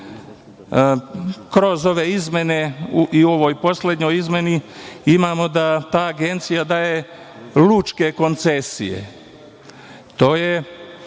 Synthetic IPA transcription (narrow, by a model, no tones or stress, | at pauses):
kɾo̞zo̞ʋe̞izmʲe̞ne̞uʔio̞ʋo̞jpo̞sle̞d̪ɲo̞jizmʲeniimaːmo̞d̪at̪aːɡe̞nt̪sijad̪aːje̞ | lut͡ʃke̞ko̞nt̪sesḭjḛ | t̪o̞ːje̞